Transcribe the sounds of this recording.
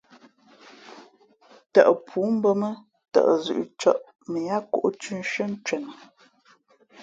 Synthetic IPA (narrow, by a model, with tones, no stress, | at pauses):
tə̰˨ʔə˨pʰuː˨˦m̩˦bə˦mə˦ | tə̰˨ʔzʉ̰˨ʔt͡ʃɔ˦ʔ | mə˨ja˦ko̰˦˨ʔt͡ʃʉ˦n˦ʃə˦n̩˦t͡ʃɛ˨nə˨